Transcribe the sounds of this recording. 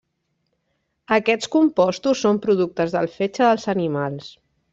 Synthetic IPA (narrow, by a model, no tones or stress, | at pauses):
əkɛt̪t͡skumpɔst̪usːompɾuðuk̚t̪əzðəlˠfet͡ʃəðəlˠzənimalˠs